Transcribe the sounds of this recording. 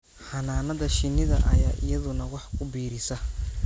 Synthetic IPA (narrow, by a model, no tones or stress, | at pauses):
ħɐnaːnɐðɐʃɪnːɪðɐ̰ʔɐ̰jaːʔɪ̰jɐðʊnɐwɑħkʰʊbiːɾɪsɐ